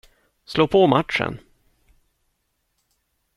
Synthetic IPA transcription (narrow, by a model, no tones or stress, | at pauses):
sloːpʰɔmat̪ʂə̰n